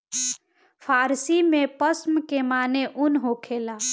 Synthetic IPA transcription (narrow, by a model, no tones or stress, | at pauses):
pʰaːɾsimẽpəsmkemaːneʔʊnɦokʰeːlaː